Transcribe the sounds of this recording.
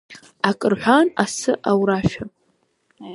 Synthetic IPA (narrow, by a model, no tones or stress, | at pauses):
akʼɨrħʷanasɨʔawɾaʃa